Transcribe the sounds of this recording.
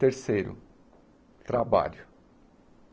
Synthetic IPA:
t̪eɾsejɾʊ̰ | t̪ɾaba̰ʎʊ

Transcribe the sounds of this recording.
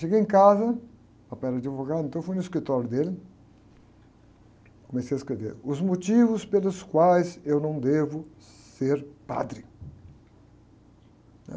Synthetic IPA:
ʃeɡejẽkazɐ | papɛɾɐd͡ʒivoɡad̪ẽt̪ɐ̃w̃fuj̃nʊɪskɾit̪ɔɾjʊd̪elɪ | komesejɐɪskɾevḛɾʊzmot͡ʃivʊspelʊskwajzewnɐ̃w̃d̪evʊ | seɾpa̰d̪ɾɪ | ɛ̰

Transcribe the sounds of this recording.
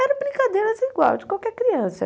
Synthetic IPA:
ɛɾʊbɾĩŋkad̪ejɾɐziɡwa̰wd͡ʒɪkwawkɛɾkɾiɐ̃sɐ̰

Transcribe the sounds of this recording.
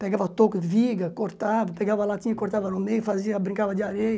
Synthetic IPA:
peɡavɐt̪okʊd̪ɪviɡɐkoɾt̪avɐpeɡavɐlat̪ĩɲɐkoɾt̪avɐnʊmejfaziɐbɾĩŋkavɐd̪iaɾej

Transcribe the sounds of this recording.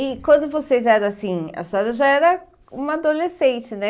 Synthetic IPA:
ɪkwɐ̃nd̪ʊvosezɛɾɐ̃asĩɐ̰st̪ɔɾɐʒaɛɾɐ | ũmɐad̪olesẽnt͡ʃɪnɛ

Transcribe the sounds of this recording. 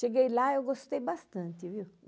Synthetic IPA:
ʃeɡejlaewɡost̪ejbast̪ɐ̃nt̪ɪviw

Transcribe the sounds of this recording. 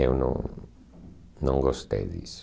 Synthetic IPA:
ewnõ̰ŋ | nõŋɡost̪ḛjðḭs

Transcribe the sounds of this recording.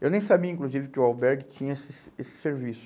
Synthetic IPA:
ewnẽj̃sabiɐĩkluzivɪkɪʊawbɛɾɡɪt͡ʃĩɲɐesɪs | esɪ̥seɾvisʊ̥

